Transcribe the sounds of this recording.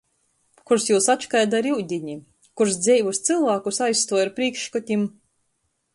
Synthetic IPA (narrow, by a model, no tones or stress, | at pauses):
kuɾsjuːsatt͡ʃkajd̪aɾiwd̪ʲiɲʲi | kuɾs̬d̪zʲɛjvust̪sɨlˠvaːkusajst̪uɔjaɾpɾiːkʃkɔt̪ʲim